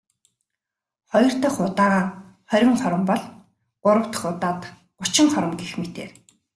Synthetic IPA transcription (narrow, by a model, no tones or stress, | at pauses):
χɔjɞ̆r̥t̪ɔːχʊt̪aːʁaː | χœɾʲɪ̆ŋχɔɾə̆mpɔɮ | ɢʊɾə̆w̥t̪ə̥̆χʊt̪aːt̪ | ɢʊt͡ɕɪ̆ŋχɔɾə̆mɡexmet̪ḛːr